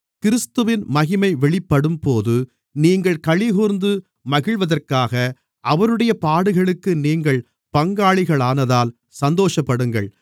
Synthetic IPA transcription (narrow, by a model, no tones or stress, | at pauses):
kɪɾɪst̪ɯʋɪnmɐɣɪmɐɪʋɛɭɪpːɐɽɯmpoːðɯ | niːŋɡɐɭkɐɭɪɣuːɾnd̪ɯ | mɐɣɪɭʋɐðɐrkaːɣɐ | ʔɐʋɐɾɯɽɐjɐpaːɽɯɣɐɭɯkːɯniːŋɡɐɭ | pɐŋɡaːɭɪɣɐɭaːnɐðaːl | sɐnd̪oːʂɐpːɐɽɯŋɡɐ̰ɭ